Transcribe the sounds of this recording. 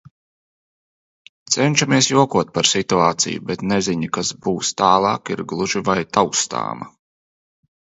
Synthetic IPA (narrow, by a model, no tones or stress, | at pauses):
t̪sɛnʲʃamiɛsjuɔkuɔt̪̚paɾsit̪uaːt̪sḭjṵbɛt̪nɛziɲikasbuːst̪aːlˠɑ̰ːkiɾɡlˠuʒivajt̪awkst̪a̰ːmɐ̰